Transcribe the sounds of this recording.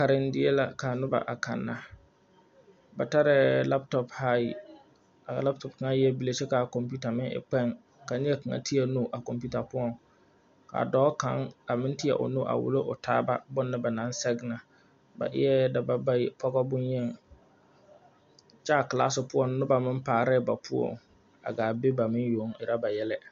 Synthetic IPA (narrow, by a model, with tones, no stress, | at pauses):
ka˨ɾɪ˦n˦dɪ˦e˦la˨ka˨nʊ˦ba̰˨ʔa˨kʰa̰˨nːa˨ | ba˨ta˦ɾɪ˨la˦p̚tɔ˦pha˦i˨ | a˨la˦p̚tɔ˨p̚ka˦jɛ˦bi˦le˨t͡ʃɛ˦ka˨ko˨mpu˦ta˨mɪ̃˦ɪ̰˨k͡pɛ˦˨ŋ | ka˨ɲɛ˦kɨ˨ŋa̰˦tʰi˦a˦nu˦ʔa˨ko˨mpu˦ta˨pʊ˦ɔ˨ŋ | ka̰˨dɔː˦ka˦ŋa˨mɪ̃˦n˦ti˦a̰˨ʔʊ̰˨nu˦ʔa̰˨wʊ̰˦lo˦ʔʊ˨tʰaː˦ba˦bʊ˦nːɪ˦ba˨nã˨˦n˦sɛ˦ɡna˨ | ba̰˨ʔɪ̰˦ɛ˦da˨ba˨ba˦pʰɔ˦ɡɔ˦bʊ˦njɛ˦˨ŋ | t͡ʃɛ˦a˨kla̰˦sɪ˨pʊ˦ɔ˦˨nːʊ˦ba˨mɪ̃˦m˦paː˨ɾɪ˦˨ba˨pʰʊ˦o̰˨ŋ | a̰˨ɡaː˨bɪ˦ba˨mɪ̃˦njo˨˦ŋɪ˨ɾa˦ba˨jɛ˦lɛ˦